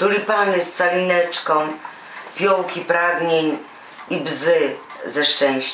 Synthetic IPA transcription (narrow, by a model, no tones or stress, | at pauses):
t̪ulʲipamɛst̪salʲinɛt͡ʂkɔ̃w̃ | pʲjɔwkʲipɾaɡɲeɲ | ibzɘzɛʂt͡ʂɛ̃w̃ɕt͡ɕ